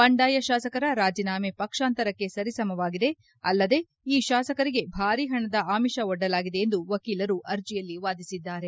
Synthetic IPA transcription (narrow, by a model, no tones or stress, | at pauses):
pɐɳɖaːjɐʃaːsɐkɐɾɐɾaːd͡ʒinaːme̞pɐkʂaːnt̪ɐɾɐkːe̞sɐɾisɐmɐʋaːɡid̪e̞ | ɐ̰lːɐd̪e̞ | iːʃaːsɐkɐɾiɡe̞bʱaːɾiɦɐɳɐd̪ɐʔaːmiʃɐɔɖːɐlaːɡid̪eend̪uʋɐkiːlɐɾuʔɐɾd͡ʒijɐlːiʋaːd̪isid̪ːaːɾe̞